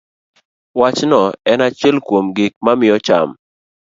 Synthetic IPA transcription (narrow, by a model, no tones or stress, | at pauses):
wat͡ʃnɔɛnat͡ʃɛlkwomɡɪk̚mamɪjɔt͡ʃa̰m